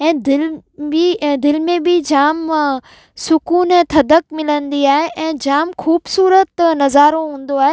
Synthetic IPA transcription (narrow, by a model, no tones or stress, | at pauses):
ɛ̃ːd̪ɪlbid̪ɪlmẽbɪd͡ʑaːm | sʊkuːnɛ̃ːt̪ʰɐd̪əkmɪlənd̪iaːɦeʔɛ̃ːd͡ʑaːmxuːbsuːɾət̪nɐzaːɾõɦũːn̆d̪oaːɦe